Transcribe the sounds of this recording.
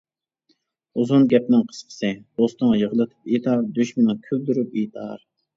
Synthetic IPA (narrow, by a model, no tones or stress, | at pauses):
uzunɡʲɛp̚nɪŋqʰə̥sqʰə̥sɨb̥ost̪əŋjəʁlˠɨt̪ʰɨ̥pit̪ʰɑɾd̪øʃmɪnɪŋkʲʰyld̪yɾyp̚it̪ʰɑ̰ɾ